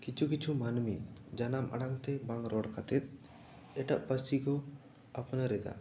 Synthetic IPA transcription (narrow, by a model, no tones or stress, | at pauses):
kit͡ʃʰukit͡ʃʰumanmid͡ʒanamʔa̰ɽaŋt̪ɛbaŋɾɔɽkat̪ɛt̪̚ˀ | ɛʈaʔpəsikɔ | apnaɾɛd̪a̰